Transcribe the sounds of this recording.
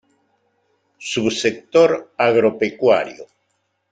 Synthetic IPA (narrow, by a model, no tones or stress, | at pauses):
susek̚t̪oɾaɣɾopekwa̰ɾjo